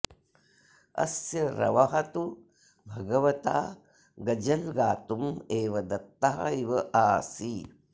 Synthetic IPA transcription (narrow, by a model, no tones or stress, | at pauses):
ɐ̰sjɐɾɐ̰ʋɐɦɐt̪u | bʱɐɡɐʋɐt̪a̰ː | ɡɐd͡ʒɐlɡaːt̪umeːʋɐd̪ɐt̪ːɐɦɐ̰iʋɐʔaːsi